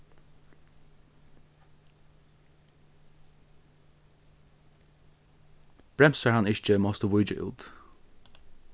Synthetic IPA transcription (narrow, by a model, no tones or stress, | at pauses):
b̥ɹɛmsaɹhanɪçt͡ʃəmɔst̪əʋʊjt͡ʃə̰ʔʉ̰ːt̪